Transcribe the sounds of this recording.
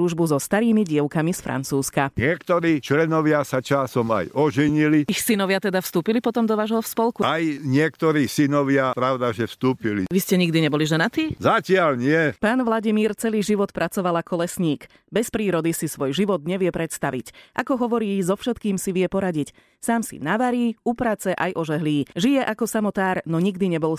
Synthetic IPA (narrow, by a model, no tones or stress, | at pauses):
ɾuːʒbuzɔst̪aɾiːmiɟɪɛʊkamisfɾʔa̰nt͡suːskaɲɪɛkt̪ɔɾiːt͡ʃlɛnɔʋɪasat͡ʃasɔma̰jɔʒɛɲiliixsinɔʋɪat̪ɛd̪afst̪uːpilipɔt̪ɔmd̪ɔʋaːʒɦɔfspɔlkuajɲɪɛkt̪ɔɾiːsinɔʋɪapɾaʊd̪aʒɛfst̪uːpilḭʋiscɛɲiɡd̪iɲɛbɔliʒɛnat̪iːzacɪalɲɪɛpaːnʋlaɟimiːɾt͡sɛliːʒiʋɔt̪pɾʔat͡sɔʋalakɔlɛsɲiːk | bɛspɾiːɾɔd̪isisʋɔjʒiʋɔd̪ɲɛʋɪɛpɾɛt̪st̪aʋḭcʔa̰kɔɦɔʋɔɾiːzɔfʃɛt̪kiːmsiʋɪɛpɔɾaɟic | saːmsḭnaʋaɾiːupɾat͡sɛʔajʔɔʒɛɦliːʒijɛʔakɔsamɔt̪aːɾnɔɲiɡd̪iɲɛbɔl